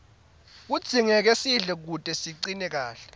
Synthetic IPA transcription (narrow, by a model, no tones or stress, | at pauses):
k̬ud̥z̥ʱiŋɛk̬esiɮɛk̬utʼɛsiǀinɛk̬aːɬɛ̥